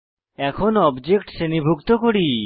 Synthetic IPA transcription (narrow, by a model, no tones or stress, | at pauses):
ɛkʰɔnɔbd͡ʒek̚ʈsenibʱukt̪okoɽi